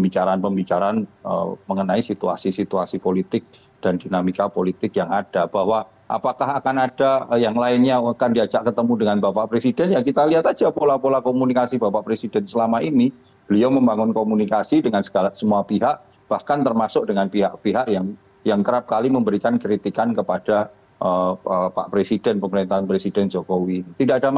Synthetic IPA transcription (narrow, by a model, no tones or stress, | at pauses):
əmbit͡ʃaɾanpəmbit͡ʃaɾaanə̰məŋənaisit̪ua̰sisit̪uasipolit̪ɪk̚ | d̥andinamikapolit̪ɪkjaŋad̥ab̥ahwa | ʔa̰pakaɦakanad̥ajaŋlaɪnɲakandiad͡ʒaʔkət̪əmudəŋanbapaʔpɾesidɛnjakit̪aliɦat̪ad͡ʒapolapolakomunikasibapaʔpɾesidɛnsəlamaini | bəliawməmbaŋʊnkomunikasidəŋansə̥ɡ̥alaʔsəmuapiɦaʔ | b̥ahkant̪ərmasʊk̚dəŋanpiɦa̰ʔpiɦaʔjaŋ | jaŋkəɾap̚kaliməmbəɾikankɾit̪ikankəpad̥a | ʔəəpa̰ʔpɾesidɛnpəməɾint̪aɦanpɾesidɛnd͡ʒokowit̪idaʔada